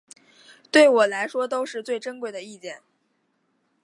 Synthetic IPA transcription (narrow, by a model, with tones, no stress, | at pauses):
t̪we˥˩ɪwɔ˨˩la˧˥ɪʂwɔ˥t̪o˥ʊʂɻ̩˥˧t͡swe˥˩ɪʈ͡ʂə˥nkwe˥˩ɪd̪ə˩i˥˧t͡ɕjɛ˥˩n